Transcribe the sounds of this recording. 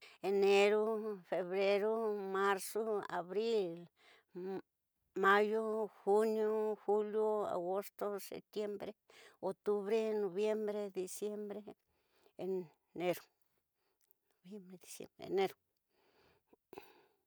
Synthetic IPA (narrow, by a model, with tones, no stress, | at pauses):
e˧ne˧ɾo˦fe˨βɾe˦ɾo˦ma˦ɾso˦a̰˨βɾi˦l | ma˦jo˦xu˦njo˦xu˦ljo˦a̰˨ɡo˦st̪o˦sḛ˨p̚t̪je˦mbɾe˦o˨t̪u˦βɾe˦no˨βje˦mbɾe˦d̪i˨sje˦mbɾe˦˨ | ne˦ɾo˦ | no˨bje˦mbɾe˧d̪i˨sjḛ˦mbḛne˦ɾo˦